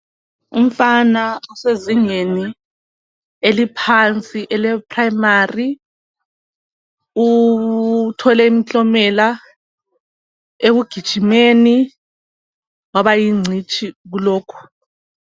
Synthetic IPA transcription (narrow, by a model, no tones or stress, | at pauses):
ṵm̩fanauseziɲeni | elipʰant͡sʼiʔɛlɛpʰʼrajimari | u | tʰɔlɛimit͡ɬɔmɛla | eɣuɡ̥ʱid̥ʒ̥ʱimeni | waβajiŋ͡ǀʱit͡ʃʰʼiɣulɔːkʰu̥